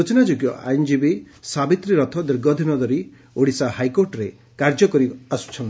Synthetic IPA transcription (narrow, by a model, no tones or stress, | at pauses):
ot͡ʃinad͡ʒoɡjɔʔa̰jnd͡ʒibi | sabit̪ɾiɾɔt̪ʰɔd̪iɾɡɔd̪ʱinɔd̪ɔɾi | oɽisahajkoɾʈɔɾe | kaɾd͡ʒɔkɔɾiasu̥t͡ʃʰɔn